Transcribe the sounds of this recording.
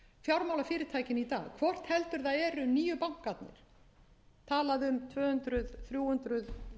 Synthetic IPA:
fjawɾmaːwlafɪːɾɪt̪ʰaːjcɪnit̪a̰ːɣkʰvɔr̥t̪hɛlt̪ʏɾðaðɛːɾʏniːjʏpawŋ̥kːat̪̚nɪ̰ɾ̥ | t̪ʰaːlaðʏmt̪ʰvœːhʏnt̪ɾʏðθɾjuːhʏnt̪ɾʏð

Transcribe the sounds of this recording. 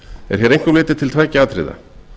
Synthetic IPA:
ɛ̰ɾ̥çɛɾejŋ̥kʏmlɪːt̪ɪ̥t̪ʰɪlt̪ʰvajcɪaːt̪ʰɾɪ̰ða̰

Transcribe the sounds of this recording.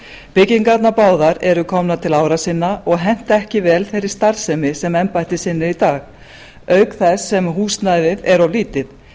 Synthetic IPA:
pɪciŋkat̪napaːwðaɾɛɾʏkʰɔmnat̪ʰɪlaːwɾasɪnːaʔɔɣɦɛn̥t̪ɛhcɪvɛːlθejɾɪɾ̥st̪aɾsɛmɪsɛmɛmpajht̪ɪsɪnːɪɾit̪aːx | œɥkθɛsːɛmɦuːsnajvɪðɛɾawliːt̪ɪð

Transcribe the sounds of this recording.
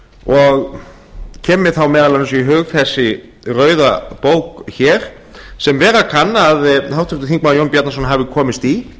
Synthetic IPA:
ɔɣ | cʰɛːmɪ̥θawmɛːðalaɪns̬ɔiɦʏːɣfɛsːɪ | rœːɥðapoːwkçɛɾ̥ | sɛmvɛːɾakʰanːaðθawt̪ʰʏ̥kt̪ʏθiŋk̚majownpjat̪nasɔnɦavɪkʰɔːmɪst̪i

